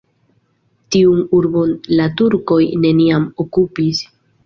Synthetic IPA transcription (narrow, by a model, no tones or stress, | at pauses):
tiunuɾbo̞nlatuɾko̞jne̞niamokupis